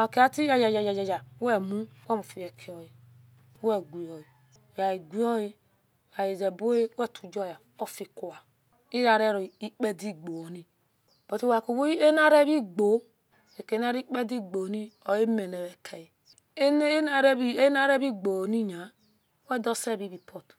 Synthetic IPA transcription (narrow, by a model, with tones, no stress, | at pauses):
a˨ke˨a˦ti˦ja˨d͡ʒa˨d͡ʒa˨d͡ʒa˨d͡ʒa˨d͡ʒa˨˦we˦˨mu˦we˦mu˨fi˨je˨kʰi˨o˨ji˨˦ | we˦ɡʷi˨o˨ji˨ | ja˨i˨ɡʷi˦o˦ji˦˨ | ja˨je˨d͡ʒe˨bo˦e˦we˦˨tʰu˨d͡ʒo˦˨ja˨ | o˦fi˨ku˨wa˨ | i˦ɾa˨ɾe˦ɾo˨i˦k͡pe˦di˦ɡ͡bo˨ni˦ | b̥o˨ti˦wa˨ku˨wo˦e˦na˦ɾe˦βi˦ɡ͡bo˨˦ | e˨ke˨n˦a˦ɾi˦k͡pe˦di˦ɡ͡bo˨ni˦o˨e˦me˨ne˨βe˨kʰe˨ji˨ | e˦n˦na˨ɾe˦bi˦e˦na˦ɾe˦bi˦ɡ͡bo˨ni˦ɲa˨˦ | we˦do˦se˦˨bi˦βi˨pʰo˦˨t